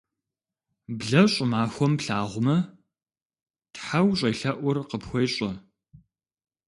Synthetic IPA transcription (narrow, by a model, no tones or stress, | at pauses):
bɮɐɕʼʊmaːxʷɔmpɬaːʁʷʊmɐ | tħawɕʼɐjɬɐʔʷʊrqəpxʷɔjɕʼɐ